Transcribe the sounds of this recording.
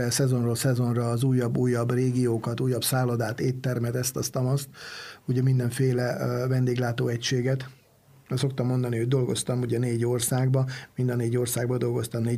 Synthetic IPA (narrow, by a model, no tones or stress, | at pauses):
ɛsɛzo̞nrolsɛzo̞nrɒːzuːjːɒbːuːjːɒbreːɡijoːkɒt̪uːjːɒpsaːlod̪aːt̪eːt̪ːɛrmɛt̪ɛst̪ɒst̪ɒmɒst̪̚huɟɛmind̪ɛɱfeːlɛvɛnd̪eːɡlaːt̪oːɛcʃeːɡɛt̪ | so̞k̚t̪ɒmːo̞nd̪ɒnihoɟ̚d̪o̞lɡost̪ɒmuɟɛneːɟo̞rsaːɡbɒmind̪ɒneːɟo̞rsaːɡbɒd̪o̞lɡo̞st̪ɒmneː